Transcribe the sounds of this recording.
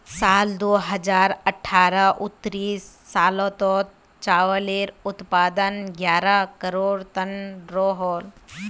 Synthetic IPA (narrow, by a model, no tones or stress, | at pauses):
saːld̪oːɦəd͡ʒaːɾəʈʰːaːɾəʔʊt̪ːɾiːsːaːlõːt̪ɔːt̪ | t͡ʃaːwəleːɾʊt̪paːd̪ənɡjaːɾəkəɾoːɽt̪ənɾoːɦoːl